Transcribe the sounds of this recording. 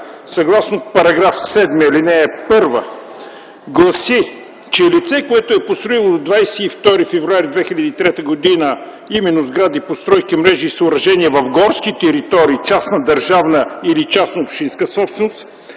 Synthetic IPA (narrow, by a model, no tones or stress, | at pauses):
sɐɡlˠasnot̪̚pɐɾɐɡɾafsɛd̪miəilinɛːpɤɾvə | ɡlˠɐsi | t͡ʃɛlit̪sɛkoɛt̪ʊɛpost̪ɾoilˠod̪od̪vajsɛift̪ɔɾifɛvɾʊaɾid̪vɛxilʲɐd̪iːt̪ɾɛt̪əɡod̪inə | imɛnːozɡɾad̪ipost̪ɾɔjkimɾɛʒiːsəʊːɾɐʒɛniɛvɐfɡɔɾskit̪ɛɾit̪ɔɾiːt͡ʃasnəd̪ɐɾʒavnəilit͡ʃasnəopʃt̪inskəsɔpsɛnost̪